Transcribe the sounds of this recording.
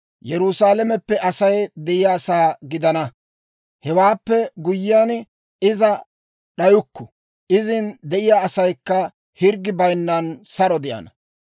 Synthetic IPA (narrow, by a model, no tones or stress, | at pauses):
jɛɾʊsaːlɛmɛpːɛʔɐsɐjd̪ɛʔɪjasaːɡɪd̪ɐnɐ | hɛwaːpːɛɡʊjːɪjan | ɪzɐ | ɗɐjʊkːɔ | ʔɪzɪnd̪ɛʔɪjaːsɐjkːɐ | hɪɾɡɪbɐjnːɐnsɐɾɔd̪ɪjɐ̰nɐ